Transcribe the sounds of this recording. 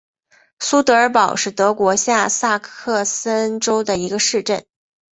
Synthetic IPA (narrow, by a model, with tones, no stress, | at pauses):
su˥t̪ɤ˧˥ə˞˧˥pɑ˨˩ʊʂɻ̩˥˩t̪ɤ˧˥kwɔ˧˥ɕja˥˧sa˥˧kʰɤ˥˩sə˥nʈ͡ʂo˥ʊd̪ə˨i˧˥ɡə˧ʂɻ̩˥˧ʈ͡ʂə˥˩n